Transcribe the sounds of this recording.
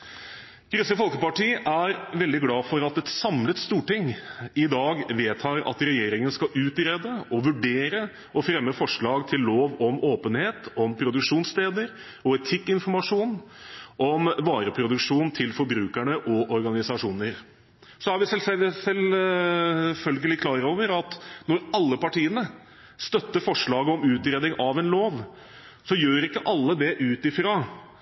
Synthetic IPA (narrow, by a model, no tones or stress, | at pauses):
ɡ̥ɾʉsəfɔlkəpɑʈiːʔæɾʋɛld̪ɪɡlɑːfɔɾɑt̪ɛt̪sɑmlət̪st̪uːʈɪŋɪd̪ɑːɡʋeːt̪ʰɑːɾɑ̰t̪ɾɛjeːɾɪŋənskɑʔʉːt̪ɾeːd̪əʔɔʋʉɖeːɾə | ɔfɾɛmːəfɔʂɭɑːɡt̪ʰɪlːoːʋɔmoːpənheːt̪ɔmpʰɾʊd̪ʉkʂuːnst̪eːd̪əɾ | ɔɛt̪ʰɪkːɪnfɔɾmɑʂuːnʔɔmʋɑːɾəpʰɾʊd̪ʉkʂuːnnt̪ʰɪlfɔɾbɾʉːkæɳəʔɔʔɔɾɡɑnɪsɑʂuːnəɾ | sɔæɾʋɪsɛsɛl | fœlɡəlɪkʰlɑːɾoːʋəɾɑt̪nɔɾɑlːəpɑʈiːənə | st̪œt̪ːəfɔʂɭɑːɡəɔmʉːt̪ɾeːd̪ɪŋʔɑʋɛnloːʋ | sɔjøːɾɪkːəʔɑlːəd̪ɛʔʉːt̪ɪfɾɑ